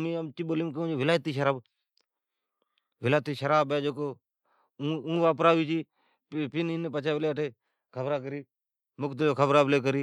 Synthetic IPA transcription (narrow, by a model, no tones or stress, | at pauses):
miəmt͡ʃiɓoːlimkəũd͡ʒoːʋɪlaːjt̪iːʃəɾaːb | ʋɪlaːt̪iːʃəɾaːbɛːd͡ʒoːkõː | ũːʋaːpɾaːʋiːt͡ʃiː | pinɪnepət͡ʃʰaːʋɪleːaʈʰeː | kʰəbɾaːkəɾiː | mʊkt̪əloːkʰəbɾaːbɪleːk̬əɾiː